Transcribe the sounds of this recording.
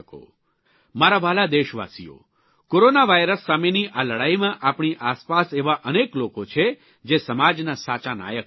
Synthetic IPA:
ko̰ | maɾaʋalad̪eʃʋa̰sḭjo̰ | koɾonaʋajɾəsːameniʔaləɽaimãʔapɳ̃iʔaspaseʋaʔəneklokot͡ʃʰe | d͡ʒesəmad͡ʒnasat͡ʃana̰jək

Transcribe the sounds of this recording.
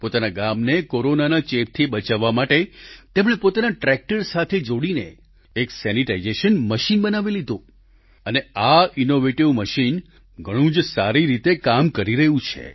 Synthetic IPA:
pot̪anaɡamnekoɾonanat͡ʃep̚t̪ʰiɓət͡ʃaʋːamaʈet̪emɽ̃epot̪anaʈɾɛk̚ʈəɾsat̪ʰed͡ʒoɽinḛ | eksɛniʈaizeʃənməʃinbənaʋilid̪ʱõ | əneainoʋeʈiʋməʃin | ɡʱəɽ̃ũd͡ʒsaɾiɾit̪ekamkəɾiɾəɦũt͡ʃʰḛ

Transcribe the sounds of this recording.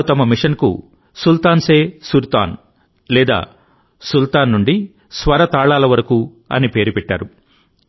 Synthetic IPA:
t̪ɐmɐmiʂɐnkṵ | sult̪aːnseːsult̪a̰ːn | lɛːd̪a̰ː | sult̪aːnːuɳɖi | sʋɐɾɐt̪aːɭaːlɐʋɐɾɐku | ɐ̰nipe̞ːɾipɛʈːa̰ːɾu

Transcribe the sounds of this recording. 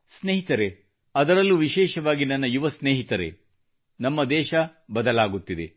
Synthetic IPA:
sneːɦit̪ɐɾe̞ | ɐd̪ɐɾɐlːuʋiʃɛːʃɐʋaːɡinɐnːɐjuʋɐsneːɦit̪ɐɾe̞̰ | nɐmːɐd̪ɛːʃɐbɐd̪ɐlaːɡut̪ːid̪ḛ

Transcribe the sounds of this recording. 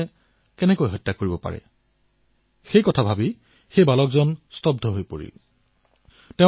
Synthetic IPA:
ɛ | kɛnɛkojɦɔjtːakoɹibɔpa̰ɹɛ̰ | xejkɔtʰabʱabi | xejbalɔkzɔnstɔb̚dʱɔɦojpoɹḭ | tɛ

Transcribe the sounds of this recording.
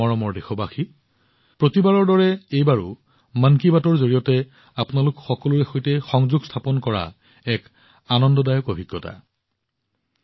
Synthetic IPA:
ɔɹɔmɔɹdexɔbaxi | pɹotibaɹɔɹdɔɹɛejbaɹʊ̰ | mankibatɔɹzoɹijɔtɛ | apʊnalʊkxɔkɔlʊɹɛxojtɛxɔŋzuɡstʰapɔnkɔɹa̰ | ɛk | anɔndɔdajɔkobʱiɡːɔta̰

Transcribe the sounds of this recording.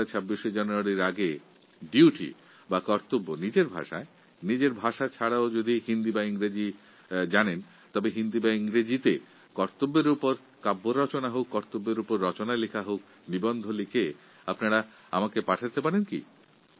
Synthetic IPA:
at͡ɕʰabːiʃed͡ʑanuaɾiɾaɡe | ɖiuʈḭ | bakɔɾt̪obːonid͡ʑeɾbʱa̰ʃa̰e | nid͡ʑeɾbʱaʃat͡ɕʰaɽaod͡ʑod̪ihind̪ibaiŋɾed͡ʑi | d͡ʑanen | t̪ɔbeɦind̪ibaiŋɾed͡ʑit̪e | kɔɾt̪obːeɾupoɾ | kabːoɾɔt͡ɕonaɦokːɔɾt̪obːeɾupoɾːɔt͡ɕonalikʰaɦok̚ | nibɔnd̪ʱolikʰe | apnaɽa | a̰makepaʈʰat̪epaɾenkḭ

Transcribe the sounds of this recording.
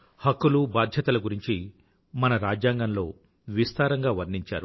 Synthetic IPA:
hɐkːulubaːd̪ʱjɐt̪ɐlɐɡuɾiɲt͡ʃi | mɐnɐɾaːd͡ʒjaːŋɡɐnlo̞ː | ʋist̪aːɾɐŋɡaːʋɐɾniɲt͡ʃa̰ːɾu

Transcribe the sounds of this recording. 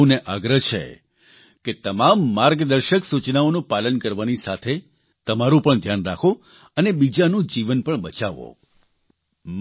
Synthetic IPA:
uneʔaɡɾəɦt͡ʃʰḛ | ket̪əmamːaɾɡd̪əɾʃəksut͡ʃnaonũpalənkəɾʋanisat̪ʰe | t̪əmaɾũpəɳd̪ʱjanɾakʰo | ənebid͡ʒanũd͡ʒiʋənpəɳbət͡ʃaʋo̰ | m

